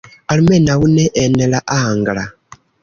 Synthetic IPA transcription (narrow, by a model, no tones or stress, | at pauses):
alimenawuneʔːnelaʔahaːŋɡala